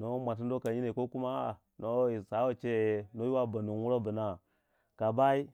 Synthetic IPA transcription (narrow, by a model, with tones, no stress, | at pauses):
no˦mʷa˨t̬i˦n˦do˦ka˨ɲi˦ne˨ko˦ku˦ma˦˨ | no˦i˨sa˨˦wo˨t͡ʃe˦˨no˦ju˦wa˦ba˨nu˨n˦wu˦ɾo˦bu˨na˨ | ka˨ba˦i˦